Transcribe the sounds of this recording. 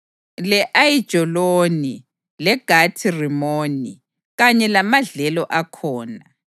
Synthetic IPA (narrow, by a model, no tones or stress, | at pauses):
lɛʔajid̥ʒ̥ʱɔloni | lɛɡ̥ʱatʰirimoːni | ɣaɲɛlamaɮɛlɔʔakʰɔːna